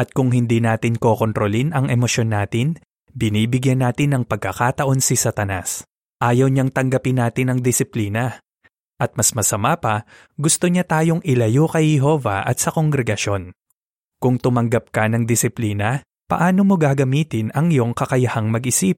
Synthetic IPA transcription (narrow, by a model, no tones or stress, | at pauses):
ʔɐt̪̚kʊŋɦɪnd̪inaːt̪ɪŋko̞ːko̞nt̪ɾolinɐŋʔɛmo̞ʃo̞nːaːt̪ɪn | bɪniːbɪɡjɐnːaːt̪ɪnːɐŋpɐɡ̚kɐkaːt̪ɐʔo̞nsɪsɐt̪ɐna̰s | ʔaːjɐwɲaŋt̪ɐŋɡɐpɪnːaːt̪ɪnɐŋd̪ɪsɪpliːnɐ | ʔɐt̪̚mɐsmɐsɐmapɐ | ɡʊst̪o̞ɲat̪aːjo̞ŋʔɪlɐjokɐjhɛɦo̞ːvɐ̰ʔɐ̰t̪sɐko̞ŋɡɾɛɡɐʃo̞n | kʊŋt̪ʊmɐŋɡɐp̚kɐnɐŋd̪ɪsɪpliːnɐ | pɐ̰ʔaːno̞mo̞ɡaɡɐmiːt̪ɪnɐŋjoŋkɐkɐjɐhaŋmɐɡʔɪsip̚